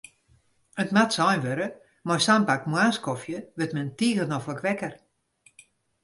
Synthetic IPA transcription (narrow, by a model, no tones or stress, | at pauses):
ətmatsɔjnʋøɾə | mɔjsampakmwaːskɔfjəʋɪtmɛntiːɣənɔfləkʋɛkər